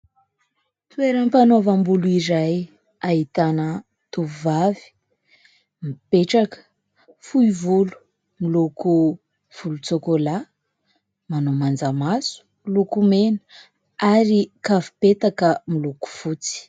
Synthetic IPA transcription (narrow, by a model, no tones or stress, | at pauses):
t̪ueɾəmpanovambuluiɾaj | ait̪anə | t̪uvavi̥ | mipeʈ͡ʂakə̥ | fuivulu̥ | miluku | v̥ulut͡sokola | manomand͡zamasu̥ | lukumenə̥ | aɾikavupet̪akəmiluku̥fut͡si̥